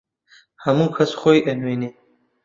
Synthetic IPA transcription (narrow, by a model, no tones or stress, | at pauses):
hamukʰasχojʔenwini